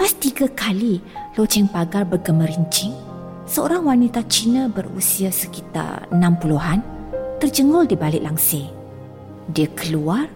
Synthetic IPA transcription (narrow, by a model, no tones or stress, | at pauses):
past̪iɡakalilot͡ʃɛŋpaɡarbərɡəməɾiɲt͡ʃɪŋ | səo̰ɾaŋwanit̪at͡ʃinabərṵsiasəkit̪a̰rə̰nãmpuluɦant̪ərd͡ʒəŋɔldibalɪʔ̚laŋsɪ | diakəluar